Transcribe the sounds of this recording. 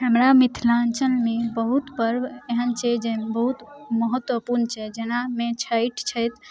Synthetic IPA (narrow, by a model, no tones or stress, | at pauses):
ɦəmɾamit̪ʰlant͡ʃəlnebəɦut̪pəɾeɦənt͡ʃʰɛd͡ʒebəɦut̪məɦət̪wəpuɾnt͡ʃʰɛd͡ʒenamet͡ʃʰəɪʈʰt͡ʃʰəjt̪